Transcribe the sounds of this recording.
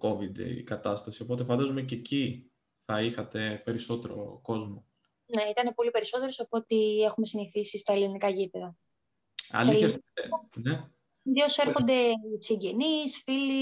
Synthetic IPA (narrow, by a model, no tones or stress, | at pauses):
ko̞vid̪ḛḭkɐt̪ɐst̪ɐsio̞po̞t̪e̞fɐnd̪ɐzomececi | θɐixɐt̪e̞pe̞ɾiso̞t̪e̞ɾo̞̰ko̞zmo̞ | neit̪ɐnepo̞lipe̞ɾiso̞t̪e̞ɾo̞sɐpo̞t̪ie̞xume̞siniθisist̪ɐelinikɐʝipeðɐ | ɐ̰lɐiesne | ðose̞ɾxo̞nd̪e̞t͡siɲɟe̞nisfili